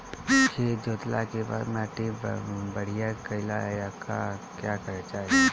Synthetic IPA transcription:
kʰed͡ʒoːt̪la̰keba̰ːd̪mɛːʈibəɽ̤ijakəɪla̰ɛjakakjakəɾet͡ʃaːɦe

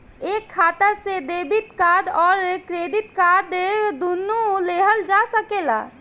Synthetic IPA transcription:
eːkʰːaːt̪əsed̪ebit̪kad̪ɔːɾekɾed̪it̪kad̪ed̪unːuleɦəld͡ʒasəkela̰

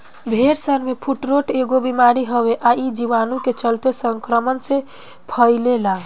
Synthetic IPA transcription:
bʱeɾsəɾmepʰuʈɾoʈʰeɡobimaɾiɦəbeʔaid͡ʒiʋanuket͡ʃəlt̪esəŋkɾəmənsẽ | pʰəɪlela

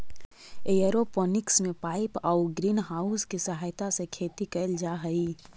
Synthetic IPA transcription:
ejəɾopɔːnɪksmẽpaːɪpɔːʊɡɾiːnɦaːʊskisɐɦaːjt̪asekʰeːt̪ikəld͡ʒaɦəi

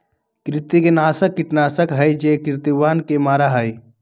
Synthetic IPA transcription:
kɾɪt̪ikenaːsəkːiʈnaːsəkɦəjd͡ʒekɾɪt̪iʋaːnkemaːɾaɦəj

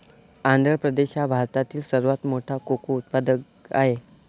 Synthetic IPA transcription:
and̪ɾəpɾəd̪eɕjabʱaɾt̪at̪iːlsəɾʋat̪moʈʰakokuut̪̚pad̪ək | a̰ɦe

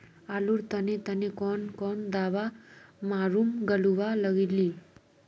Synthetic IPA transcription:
aluɾt̪ənet̪ənekɔnkɔnd̪aʋamaɾumɡəluʋaləɡili

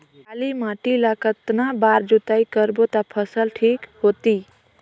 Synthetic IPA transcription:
aːlimãːʈilakət̪nabaːɾd͡ʒut̪aːikəɾbot̪apʰəsəlʈʰiːkhoːt̪iː

